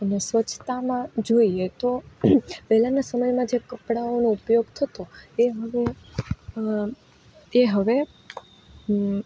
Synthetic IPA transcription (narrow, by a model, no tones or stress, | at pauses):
ənesʋət͡ʃʰt̪amãd͡ʒoiet̪o | bɛɦlanasəməjmãd͡ʒekəpɽaonoupjoɡt̪ʰət̪oeɦəʋe | ɦəʋe